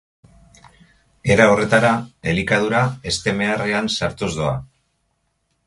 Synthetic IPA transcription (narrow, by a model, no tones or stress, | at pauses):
e̞ɾaore̞t̪aɾae̞likað̞uɾae̞st̪e̞me̞areansaɾt̪uzdoa